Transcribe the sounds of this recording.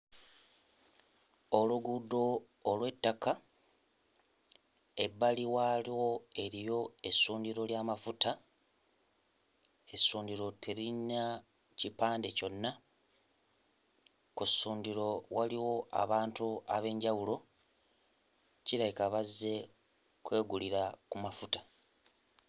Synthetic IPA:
o̞luɡudːo̞ː | lwe̞tːaka | e̞bːaliwaliwo̞e̞ɾijo̞e̞suːndiɾo̞ljaːmafutʰa | e̞sːuːndiɾo̞tʰe̞ɾinːa | cipaːnde̞co̞nːa | kusuːndiɾo̞waliwo̞ʔa̰βaːntuaβe̞ːɲɟawulo̞ | ciɾajikaβazːe̞ | kwe̞ːɡuliɾakumafutḁ

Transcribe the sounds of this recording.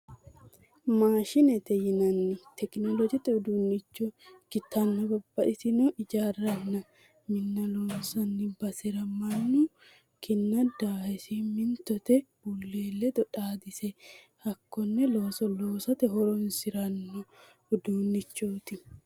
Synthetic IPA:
maːʃɪnɛt̪ɛjɪnɐnːɪt̪ɛknɔlɔd͡ʒɛt̪ɛʊd̪uːnːɪt͡ʃːɔɡ̥ɪt̪ːɐnːɐbɐbːɐʔɪsɪnɔʔɪd͡ʒaːrːɐnːɐ | mɪnːɐloːnsɐnːɪbɐsɪɾɐmɐnːu | kɪnːɐd̪aːɛsɪmɪnt̪ɔt̪ɛb̥ʊlːe̞ːlːɛd̪ɔᶑaːd̪ɪsɛ | hɐkːɔnːɛloːsɔloːsɐt̪ɛɦɔɾɔnsɪɾɐnːɔ | ʊd̪uːnːɪt͡ʃːoːt̪ɪ

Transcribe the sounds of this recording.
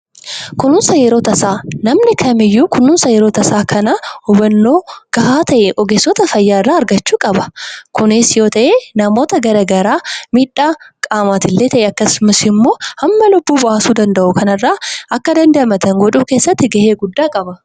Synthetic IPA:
kʊnːʊnsɐjɛɾo̞ːt̪ɐsaːnɐmnɪkʰɐmɪjːuːkʊnːʊnsɐjɛɾoːt̪ɐsaːkʰɐnɐhʊbɐnːo̞ːɡ̥ɐhaːt̪ɐʔɛʔɔɡeːsːɔt̪ɐfɐjːaːɪrːaːɐɾɡɐt͡ʃːuːkʼɐbɐkʊnɪsjo̞ːt̪ɐʔeːnɐmo̞ːt̪ɐɡɐɾɐɡɐɾaːmiːᶑːaːkʼaːmaːt̪ɪlːe̞ːt̪ɐʔɛɐkːɐsmɐsɪmːo̞ːhɐmːɐlʊbːuːbɐʔaːsuːd̪ɐnd̪ɐʔʊkɐnɐrːaːʔɐkːɐd̪ɐnd̪ɐʔɐmɐt̪ɐŋɡɔᶑuːke̞ːsːɐt̪ːɪɡɐheːɡʊd̪ːaːkʼɐbɐ

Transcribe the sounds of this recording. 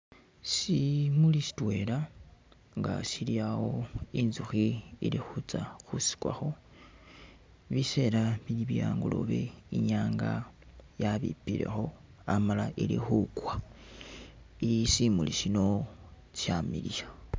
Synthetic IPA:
simulisi̥twe̞la | ŋɡa̰siliawo̞inzuxiilixut͡saxusi̥kwa̰xo̞ | βise̞lamiliβijaːŋɡulo̰βe̞̰iɲaːŋɡajaβḭpiɾe̞̰xo̞ | amalaʔilixukwa | ilisimuliʃino̞ | t͡ʃjamilija

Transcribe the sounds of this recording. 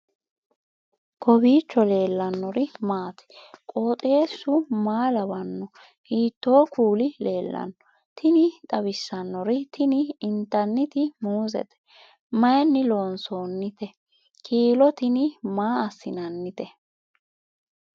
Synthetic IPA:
kʰɔbiːt͡ʃːɔle̞ːlːɐnːɔɾɪmaːt̪ɛ̥kʼo̞ːt̪ʼeːsːʊmaːlɐbɐnːɔ | hiːt̪ːo̞ːkuːlɪle̞ːlːɐ̰nːɔ | t̪ʰɪnɪt̪ʼɐbɪsːɐnːɔɾɪt̪ɪnɪɪnt̪ɐnːɪt̪ɪmuːzɛ̰t̪ɛ̥ | mɐjnːɪlo̞ːnso̞ːnːɪt̪ɛ | kʰiːlɔt̪ɪnɪmaːɐsːɪnɐnːɪt̪ɛ

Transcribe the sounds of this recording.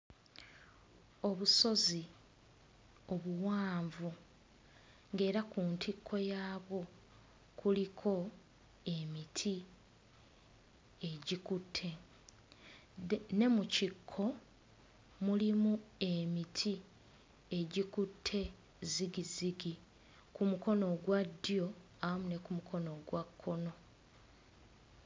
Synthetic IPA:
o̞βuso̞zi | o̞βuwaːɱvu | ŋɡe̞ːɾakuːntʰikʰːo̞jaːβwo̞ | kulikʰo̞ | e̞mitʰi | eɟikutʰːe̞ | ne̞mucikʰːo̞ | mulimue̞mitʰi | eɟikutʰːe̞ | ziɡiziɡi | kumuko̞no̞ɡwadːjo̞ | awamune̞kumukʰo̞no̞ɡwakʰːo̞no̞

